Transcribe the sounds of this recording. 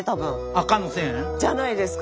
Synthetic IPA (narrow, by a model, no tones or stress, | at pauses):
t̪abɯ | akanoset͡ɕanaid̪esɯ̥k